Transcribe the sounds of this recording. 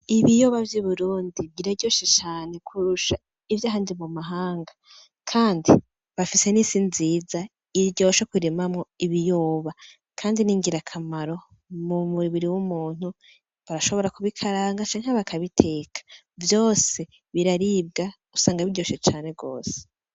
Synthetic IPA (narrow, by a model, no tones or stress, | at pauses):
iβijoβavjuβuɾuːndiɟiɾaɟo̞ːʃet͡ʃaːne̞kʰuɾuʃa | ivjaːɦaːndimumaɦaːŋɡa | kʰaːndi | βafise̞nisinziːza | iɾɟo̞ʃakwiɾemamŋo̞iβijoːβa | kʰaːndiniːŋɡiɾakʰamaɾo̞ | mumuiβiɾiwumuːn̥hu | βaɾaʃo̞βo̞ɾakuβikʰaɾaːŋɡat͡ʃaːŋ̥aβakʰaβitʰe̞ːkʰḁ | vjo̞ːse̞ | βiɾaɾiːb̚ɡa | usaːŋɡaβiɟo̞ːʃet͡ʃaːne̞ɡo̞̰ːse̥